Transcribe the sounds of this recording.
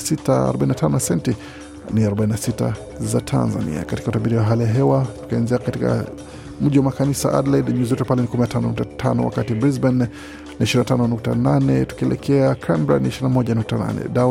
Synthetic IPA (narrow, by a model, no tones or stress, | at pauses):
sitaa̰ɾɔɓainatʰanɔnasɛnti | niaɾɔɓaininasita̰ | zatʰa̰nza̰nḭa̰kati̥kautaɓiɾiwaɦalijaɦɛwatu̥kianziakatika̰ | m̩ʄiwamakanisa̰ʔa̰dladɲuzɛtupalɛnikuminatʰanɔnuk̚tatʰanɔ̰wa̰katibɾizban | niiʃiɾinatanɔnuk̚tananɛtu̥kiɛlʔɛkʰɛakʰambɾa̰niiʃiɾinamɔʄanuk̚tana̰nɛ̰da